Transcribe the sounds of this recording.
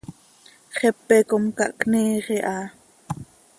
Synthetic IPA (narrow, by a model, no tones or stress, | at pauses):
χɛpːɛkomkɑ̰ʔkniːʁiʔɑː